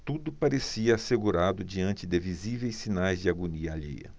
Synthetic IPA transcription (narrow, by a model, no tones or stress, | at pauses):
t̪ud̪ʊpaɾesiɐːseɡuɾad̪ʊd͡ʒiɐ̃nt͡ʃɪd̪ɪvizivejssinajzd͡ʒɪaɡuniɐaʎḛjɐ̰